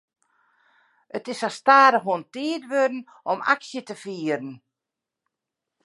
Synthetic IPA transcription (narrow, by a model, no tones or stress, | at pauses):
ətɪsastaːɾəɦuəntiːədʋødn̩ | ɔma̰ksjətəfiːəɾən̩